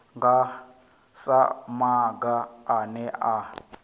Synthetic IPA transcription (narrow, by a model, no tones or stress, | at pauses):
ŋɡa | sa̰maɡaːnɛʔa